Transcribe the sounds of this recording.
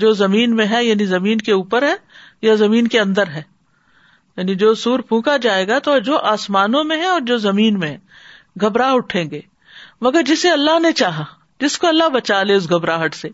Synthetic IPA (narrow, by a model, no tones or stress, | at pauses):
d͡ʒoːzɐmiːnmẽɦɛjaːnizɐmiːnkeuːpəɾɦɛːjazɐmiːnkeɐ̃nd̪əɾɦɛː | jaːnid͡ʒoːsuːɾpʰũːkad͡ʒaːeːɡat̪od͡ʒoːʔaːsmaːnõmẽɦɛ̃ɔːɾd͡ʒoːzɐmiːnmẽɦɛ̃ | ɡʱɐbɾaʊʈʰẽːɡeː | mɐɡəɾd͡ʒɪseɐlːaɦnet͡ʃaːɦa | d͡ʒɪskoɐlːaɦbɐt͡ʃaːleʊs̬ɡʱɐbɾaːɦəʈseː